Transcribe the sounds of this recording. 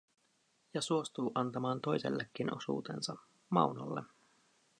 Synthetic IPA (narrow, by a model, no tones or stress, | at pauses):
jɑsuo̞st̪uːʔɑnt̪ɑmɑːnt̪o̞jsḛlːekːino̞̰sṵːt̪e̞̰nsɑ | mɑ̰uno̰lːe